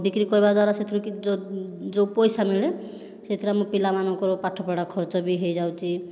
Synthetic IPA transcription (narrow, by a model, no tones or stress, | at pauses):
bikɾikɔɾibad̪waɾaset̪ʰɾɔkiod͡ʒowpɔjsamile | set̪ʰiɾamɔpilamanɔ̃ŋkɔɾpaʈʰɔpaɽakʰɔɾt͡ʃɔbiɦejd͡ʒawt͡ʃʰi